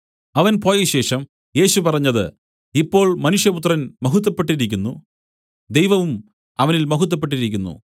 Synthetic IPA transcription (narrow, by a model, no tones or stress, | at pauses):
ɐʋɐnpo̞ːjɐɕe̞ːʂɐm | je̞ːɕupɐrɐɲːɐðɨ̰ | ipːo̞ːɭmɐnuʂjɐput̪̬rɐnmɐɦut̪̬ːɐpːe̞ʈːiɾikʲːunːu | d̪ejʋɐʋum | ɐʋɐnilmɐɦut̪̬ːɐp̬ːe̞ʈ̬ːiɾikʲːunːṵ